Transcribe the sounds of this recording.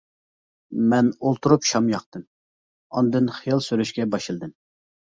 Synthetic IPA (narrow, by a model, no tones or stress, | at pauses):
mɛnolˠt̪ʰuɾupʃɑmjɑqt̪ɨm | ɑ̰nd̪ɨnχijɑlˠsyɾyʃkʲɛbɑʃɨlˠd̪ɨm